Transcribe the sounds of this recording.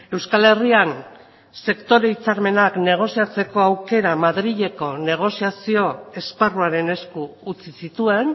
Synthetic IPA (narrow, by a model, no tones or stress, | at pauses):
e̞wskale̞rian | se̞kt̪o̞ɾe̞it͡saɾme̞nakne̞ɣ̞o̞siat͡se̞ko̞awke̞ɾamaðɾiʎe̞ko̞ne̞ɣ̞o̞siasio̞e̞sparuaɾe̞ne̞skuːt͡sisit̪ue̞n